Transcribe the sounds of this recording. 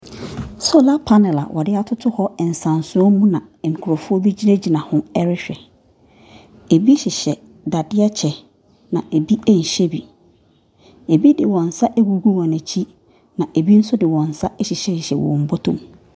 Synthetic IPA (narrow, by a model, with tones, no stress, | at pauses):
so˦la˦pʰa˦nɛ˨la̰˨wʔɔ˨dɪ˦a˨tʰʊ˦tʰʊ˦hɔ˦ɛ˨n̩˨sã˨nsʊ̃˨˦ɔ˦mũ˦nã˨ŋ̩˨kʰu˨ɾɔ˨fʊ˦ɔ˦bi˦d͡ʑi˦næ˦d͡ʑi˨nã˨hʊ̃˦ɛ˦ɾɪ˦ɕᶣɛ˨ | e˨bi˦ɕɪ˨ɕɛ˨ | da˨dɪ˦a˦t͡ɕʰɛ˨ | nã˨ʔe˨bi˦ɛ˦ɲ̩˨ɕɛ˦bi˨ | e˨bi˦dɪ˨wɔ̃˨n̩˨sa˦ʔɛ˦ɡu˨ɡu˦wɔ̃˨næ̃˨t͡ɕʰi˦ | nã˨ʔe˨bi˦n̩˦sʊ˦dɪ˨wɔ̃˨n̩˨sa˦ʔɛ˦ɕɪ˨ɕɛ˦˨ɕɪ˨ɕɛ˨wɔ̰̃˨m̩˨bɔ˦tʰõ̰˨m